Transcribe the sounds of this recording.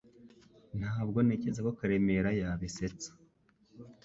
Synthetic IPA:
n̥haːbɡo̞ne̞ːce̞zako̞kaɾe̞me̞ɾajaβise̞t͡sḁ

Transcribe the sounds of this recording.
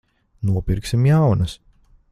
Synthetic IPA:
nuɔpiɾksʲimjawnɐs

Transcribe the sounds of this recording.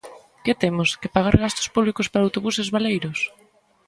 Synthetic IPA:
kɪt̪emʊskepaɣ̞aɾɣast̪o̥spuβlikospaɾaːwt̪oβusezβalejɾʊs

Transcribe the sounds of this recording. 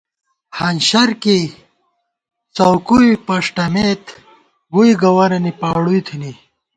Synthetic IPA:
hɐnɕɐɾki | t͡sɐwkuipɐʂʈɐmet̪ | ɡuiɡɐwɐɾɐnipaːɽujt̪ʰini

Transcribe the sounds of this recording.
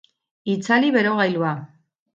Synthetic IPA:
it͡saliβe̞ɾo̞ɣajlua

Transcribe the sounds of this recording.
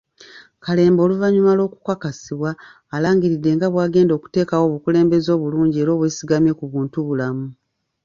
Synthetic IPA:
kale̞ːmbo̞ːluvaɲumalo̞ːku̥kakasiβwaː | laːŋɡiɾidːe̞ŋɡaβwaːɡe̞ːndo̞ːku̥te̞ːkawo̞ːβukule̞ːmbe̞zo̞ːβuluːɲɟie̞ɾo̞ːβwe̞ːsiɡamje̞kuβuːntuβulamu

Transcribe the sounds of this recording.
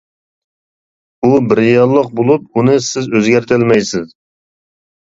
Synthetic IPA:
ubɪɾjɑlˠːəq̚bolˠup̚unɨsɪzøzɡʲæɾt̪ʰɪlmɛjsɪz

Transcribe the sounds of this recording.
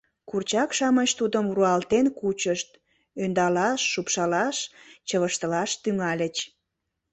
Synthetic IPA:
kurt͡ɕɑkʃɑmət͡ɕt̪ud̪əmruɑlt̪enkut͡ɕəʃt̪ | ønd̪ɑlɑʃːupʃɑlɑʃt͡ɕəβəʃt̪əlɑʃt̪yŋɑlʲət͡ɕ

